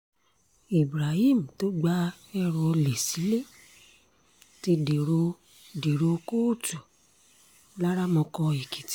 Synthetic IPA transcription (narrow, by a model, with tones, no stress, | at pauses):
i˨bɾa˨hi˦˨m̩˨to˨˦ɡ͡ba˦ɛ˦ɾɔ˧le˨si˨˦le˦˨ | ti˧di˨ɾo˧ | di˨ɾo˧ko˦˨tu˨ | la˦ɾa˦mɔ̃˧kɔ̃˧i˨ki˨ti̥˦